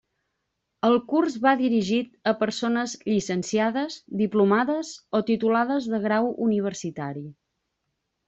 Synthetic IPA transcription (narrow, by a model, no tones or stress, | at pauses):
əlˠkurzβaðiɾiʒit̪̚əpəɾsonəzʎisənsiaðəzd̪iplumaðəzot̪it̪ulaðəzðəɣɾawuniβ̞əɾsit̪aɾi